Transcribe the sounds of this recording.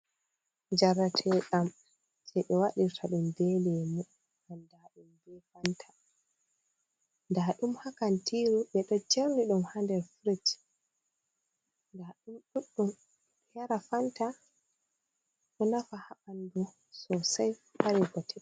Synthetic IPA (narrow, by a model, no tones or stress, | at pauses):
d͡ʒaɾatʰɛɗam | d͡ʒɛɓɛwaɗiɾtʰaɗumdɛlɛmu | ʔandaɗumbɛfantʰḁ | ndaɗumhakantiɾuɓɛɗɔt͡ʃeɾniɗumhandɛɾfɾit | ndaɗumɗuɗːum | jaɾafanta | ʔɔnafahaɓandu | sɔsajhaɾiɡɔtʰɛ